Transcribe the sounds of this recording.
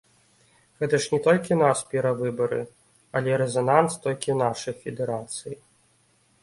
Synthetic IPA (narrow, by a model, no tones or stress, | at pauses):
ɣɛt̪ɐʂnʲɛt̪ɔlʲkʲinaspʲɛɾɐvɨbɐɾɨ̰ | ɐlʲɛɾɛzɐnanst̪ɔlʲkʲiwnaʂɐjfʲɛd̪ɛɾat̪sɨji